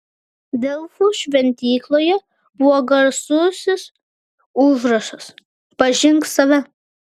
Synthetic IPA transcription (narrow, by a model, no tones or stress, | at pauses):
d̪ʲɛlˠfuːʃʲʋʲɛnʲt̪ʲiːklˠoːjɛ | bʊɔɡɐɾsuːsʲɪs | ʊʒɾɐʃɐs | pɐʒʲɪŋksɐʋʲɛ